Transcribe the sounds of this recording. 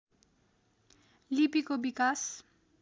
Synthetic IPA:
lipikobikas

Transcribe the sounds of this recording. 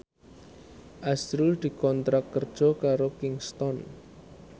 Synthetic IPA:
ʔasɾuld̪̥i̤kɔnt̪ɾakkːərd̥ʒ̥ɔ̤kaɾokɪŋst̪ɔn

